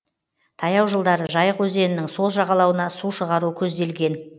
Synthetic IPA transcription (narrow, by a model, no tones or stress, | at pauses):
t̪ʰɑjɑwʒəlˠd̪ɑɾəʒɑjəqwɵze̞nɪnɪŋso̞lˠʒɑʁɑlˠɑwənɑsuʃəʁɑɾuəkʲʰɵzd̪e̞lɡʲe̞n